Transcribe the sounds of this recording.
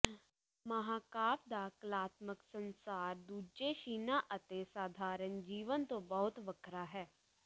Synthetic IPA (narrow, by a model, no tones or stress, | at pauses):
mɐɦaːkaːp̚d̪aːklaːt̪məksə̃nsaːɾd̪uːd͡ʒeʃiːnaʔət̪esaːd̪ʱaːɾənd͡ʒiːʋənt̪õbɐɦʊt̪ʋəkʰɾaːɦɛː